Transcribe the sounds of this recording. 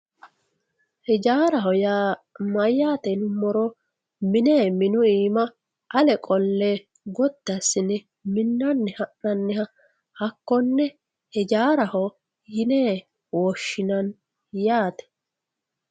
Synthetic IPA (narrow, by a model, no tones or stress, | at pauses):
hɛd͡ʒaːɾɐɦɔjaːmɐjːaːt̪ɛnʊmɔɾɔ | mɪneːmɪnʊiːmɐ | ʔɐlɛkʼɔlːe | ɡɔt̪ːɐsɪnɛ | mɪnːɐnːɛhɐʔɐnːɛhɐ | hɐkːɔnːɛ | hɛd͡ʒaːɾɐhɔ | jɪneː | wɔʃːɪnɐn | jaːt̪ɛ̥